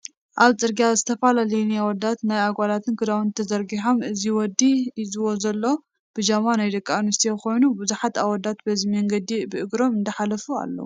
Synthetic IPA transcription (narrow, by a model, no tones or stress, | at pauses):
ʔaβt͡sʼɨɾɡiazɨt̪ʰɐfalalɐjnijawɔd̪ːat̪najaɡʷalat̪ʰɨnkʰɨd̪awnt̪ʰɐzɐɾɡiħomʔɨziwɔd̪ːizɨwo̞zɐlːo | b̥ɨd͡ʒamanajd̪ɐkʼːaanust̪ʰjekʰo̞jnubuzuħat̪aβwɔd̪ːat̪bɐzimɐŋɡɐd̪ibɨʔɨɡɾo̞mɨnd̪ɐħalɐfua̰lːɐ̰wu